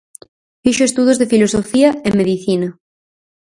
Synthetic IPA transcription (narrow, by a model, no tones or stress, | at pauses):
fiʃoest̪uðozðefilosofiɐemːeðiθinɐ